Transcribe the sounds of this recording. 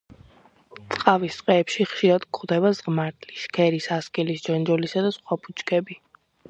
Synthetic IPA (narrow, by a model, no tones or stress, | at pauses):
t̪sʼqʼavist̪ʼqʼɛːpʃiχʃiɾad̪kʰʼχd̪ɛβazʁmaɾt̪ʰliʃkʰɛɾisaskʼɛlisd͡ʒɔnd͡ʒɔlisad̪asχwapʰʼut͡ʃʰʼkʰɛbi